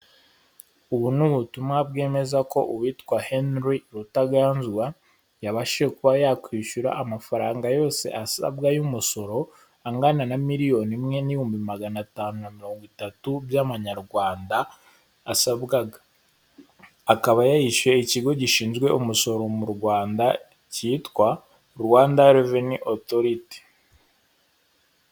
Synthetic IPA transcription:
uβunuβutumabɡe̞ːme̞zako̞̰ʔuβitkwahenɾiɾutaɡaːnzɡwa | jaβaʃiʃekuβajakwiːʃuɾa̰ʔamafaɾaːŋɡajo̞ːse̞̰ʔasa̰bɡajumuso̞ɾo̞ | aŋɡananamiɾijo̞nimŋe̞niihuːmbimaɡanataːnunamiɾo̞ːŋɡwitatubjaβaɲaɾɡwaːndaː | sabɡaɡḁ | kaβajajiʃje̞iciɡo̞ɟiʃiːnzɡwe̞ʔumuso̞ɾo̞muɾɡwaːnda | ciːtkwa | ɾuwaːndaɾeveniʔoto̞ɾite̥

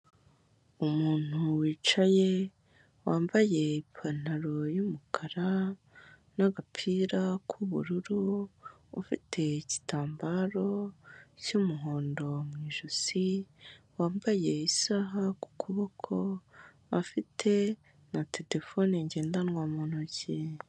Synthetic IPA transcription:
umuːn̥uwiːt͡ʃaje̞ | waːmbaje̞ipʰan̥aɾo̞jumukʰaɾa | naɡapʰiːɾakʰuβṵɾuɾuː | fitʰe̞ici̥taːmbaɾo̞cumuɦo̞ːndo̞mŋiːʒuzi | waːmbaje̞isaɦaku̥kʰuβokʰo̞ | afitʰe̞ | natʰe̞le̞fo̞niɲɟe̞ːndanŋwamunuci

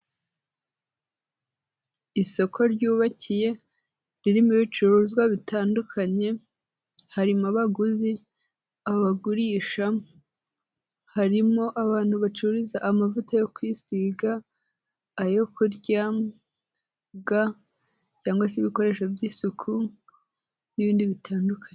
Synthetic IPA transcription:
iso̞kʰo̞ɾɟuːβacije̞ | ɾiɾimuβit͡ʃuɾuzɡwaβitaːndukʰaɲe̞ | haɾimaβaɡuzi | aβaɡuɾiːʃa | haɾimo̞ʔaβaːn̥huβat͡ʃuɾizaʔːmavutajo̞kwisiɡaː | jo̞kuɾɟa | ɡa | caːŋɡwas̬iβiko̞ɾe̞ʃabjiːsukʰu | niβiːndiβitʰaːndukʰaɲe

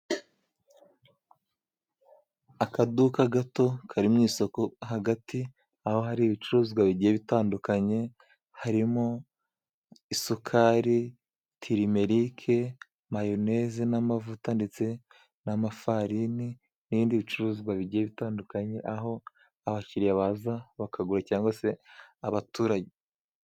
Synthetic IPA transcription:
akadukaɡato̞kʰaɾimɲiːso̞koɦaɡati | aho̞ɦaɾiβit͡ʃuɾuːzɡwaβiɟijeβitaːndukaɲe̞ | haɾimo | isukʰaːɾi | tʰiɾime̞ɾikʰe | majonezenamavutande̞t͡se̞ | namafaɾini | niβiːndiβit͡ʃuɾuːzɡwaβiɟijeβitaːndukaɲe̞ʔaɦo̞ | aβaciɾijaβazaβakʰaɡuɾacaːŋɡwase̞aβatuːɾaɟe

